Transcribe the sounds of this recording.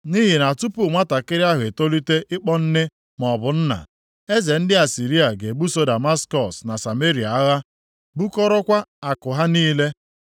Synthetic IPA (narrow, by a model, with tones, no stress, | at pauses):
ni˦ɦi˨na˨tu˦pu˦˨ŋʷa˦ta˨kɪ˦ɾɪ˦a˦ɦʊ˨e˨to˦li˦te˦ʔɪ˦k͡pɔ˦n̩˦nɪ˦ | mɔ˨bʊ˨n̩˦na̰˨ | e˦ze˨n̩˦dɪ˦a˨si˨ɾi˦a˨ɡe˨ɡ͡bu˦so˦da˨ma˦skɔ˨sna˨sa˨me˦ɾi˨a˨a˦ɣa˦ | bu˦kɔ˦ɾɔ˦kʷa˦a˨kʊ˨ɦa˦niː˦le˦